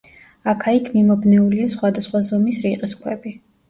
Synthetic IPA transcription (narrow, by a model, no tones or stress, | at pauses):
akʰaikʰmimɔbnɛuliasχwad̪asχwazɔmisɾiqʼiskʰwɛbi